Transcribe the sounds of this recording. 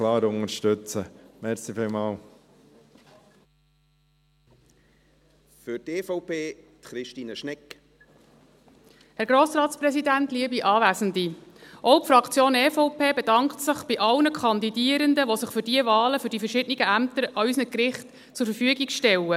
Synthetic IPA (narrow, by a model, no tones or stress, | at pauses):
klɑːɾʊŋəɾʃtɵt͡səmɛɾsifɪlmɑːl | fʏɾteːfoʊpʰeːtχɾɪʃtiːnəʃnɛk | hæɾɡ̥ɾoːsɾɑːtsprɛsidænt̪liəbiʔɑːvæːzəndiʔɔʊpfɾɑkt͡sjoːnɛːfoʊpʰeːbedɑŋktsəχb̥iʔɑlnəkʰɑnd̪idiəɾənd̪əʋosəχfʏɾdiəvɑːləfʏɾdifərʃɪdniɡəæmt̪əɾʔɑysnəkɾɪχt | t͡sʊɾfəɾfyəɡiɡʃtɛlə